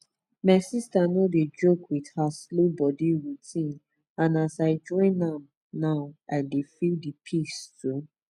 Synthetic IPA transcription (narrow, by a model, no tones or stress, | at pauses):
maɪsistanoded͡ʒokwidhaslobɔdiɹutʰĩn | ãnasaɪd͡ʒɔ̃ɪ̃nãm | naʊaɪdefildipʰistu